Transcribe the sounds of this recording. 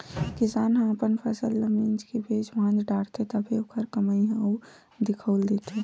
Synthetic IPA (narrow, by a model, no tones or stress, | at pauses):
kɪsaːnɦə̃əpənpʰəsəlːəmĩnd͡ʒkebʱed͡ʒʋãnd͡ʒ̪ɖaːɽt̪ʰet̪əbʱeokʰəɾkəməiɦɛ̃ɔː | d̪ɪkʰəːld̪eːt̪ʰe